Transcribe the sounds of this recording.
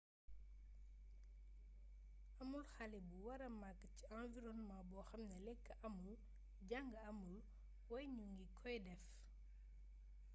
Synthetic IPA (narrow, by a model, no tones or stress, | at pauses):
ɐmulxalɛbuwɐɾɐmakːəciãnviɾɔnmabɔːxɐmnɐlɛkːəʔɐmul | ɟaŋɡəɐmul | wɐjɲuŋɡikʰɔjdɛf